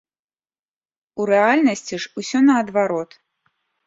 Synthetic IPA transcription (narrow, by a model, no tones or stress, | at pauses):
uɾɛalʲnɐsʲt͡sʲiʂusʲɔnɐːd̪vaɾɔt̪